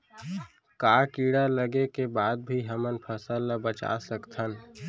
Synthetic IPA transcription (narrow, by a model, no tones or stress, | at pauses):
kakiɽaləɡekebaːd̪̚bʱiɦəmənpʰəsəlabət͡ʃa̰səkt̪ʰən